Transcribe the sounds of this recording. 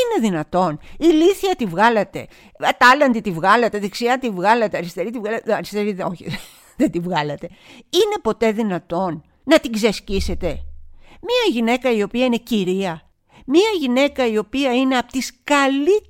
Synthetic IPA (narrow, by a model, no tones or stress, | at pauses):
ine̞ðinɐt̪o̞niliθiɐt̪ivɣɐlɐt̪e̞̰ | t̪ɐlɐnd̪it̪ivɣɐlɐt̪eðeksiɐt̪ivɣɐlɐt̪eɐɾist̪e̞ɾit̪ivɣɐlɐɾist̪eɾioçḭ | ðed̪ivɣɐlɐt̪e̞ine̞po̞t̪e̞ðinɐt̪o̞nː | ɐt̪iɡzescise̞t̪e̞miɐʝine̞kɐio̞piɐine̞ciɾiɐ | miɐʝine̞kɐio̞piɐine̞ɐpo̥t̪iskɐli